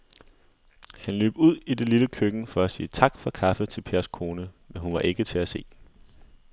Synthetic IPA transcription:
hænlø̰ːb̥uð̞̰ˠide̝liləkʰøɡ̥n̩fɒ̽æsiːət͡sʰɑ̈ɡ̥fɒ̽kʰɑ̈fət͡sʰe̝lpʰe̝ɐskʰo̝ːnəmenɦunʋɑ̈ʔe̝ɡ̥ət͡sʰe̝æse̝̰ː

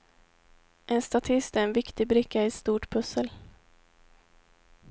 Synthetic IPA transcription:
ʔɛnst̪at̪ʰɪst̪æɾɛnvɪkt̪ɪbɾɪkːaɪst̪uːʈpʰɵsːəl

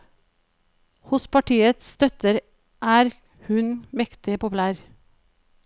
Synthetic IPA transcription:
hʊspʰɑʈʰiːət̪sst̪œt̪əɾ | ʔæːɾ | hʉnmɛkt̪ɪpʊpʉlæːɾ

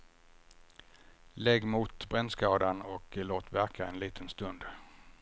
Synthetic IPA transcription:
lɛɡːmuːt̪bɾɛnskɑːd̪anɔkloːt̪væɾkʰaɛnliːt̪ʰənst̪ɵnd̪

